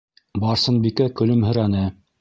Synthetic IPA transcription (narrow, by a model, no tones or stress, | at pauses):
bɑɾsɤ̆nbikækɵ̆lɵmhɵ̆ɾænɘ